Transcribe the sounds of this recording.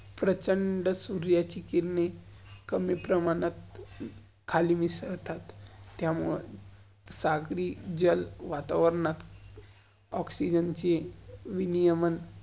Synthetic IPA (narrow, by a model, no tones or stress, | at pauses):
pɾət͡ɕəɳɖəsuɾjat͡ɕikiɾɳekəmjəpɾəmaɽ̃at̪ | kʰalimisəɾt̪at̪ːjamuɭe | saɡɾiːd͡ʑəlʋat̪aʋəɾɳat̪ | ɔksid͡ʑənt͡ɕeʋinijəmən